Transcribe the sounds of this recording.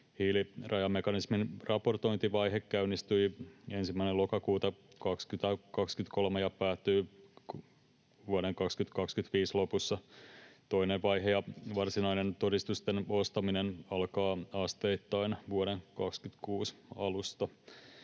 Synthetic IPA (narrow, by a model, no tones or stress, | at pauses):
hiːlirʔɑjɑmːekɑnisminrʔɑpo̞rt̪o̞jnt̪iʋɑjɦekːæynist̪yje̞nsimːæinelo̞kɑkuːt̪ɑ | kɑkskyt̪ækɑkskyt̪ko̞lmejɑpæːt̪ːyː | ʋuoɾeŋkɑkskyt̪kɑkskyt̪ʋiːslo̞pusːɑt̪o̞ineʋʋɑjɦejɑʋɑrsinɑine̞nt̪o̞dist̪ust̪eno̞st̪ɑminenɑlkɑːɑst̪e̞it̪ːɑinʋuoɾeŋkɑkskyt̪kuːsɑlust̪ɑ